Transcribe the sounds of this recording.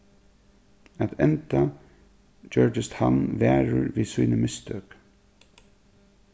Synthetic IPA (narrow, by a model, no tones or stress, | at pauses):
at̪ʰɛnt̪a | d͡ʒœɹt̪ɪst̪hanʋæːɹʊɹʋiːsuːnəmɪst̪ʰœːk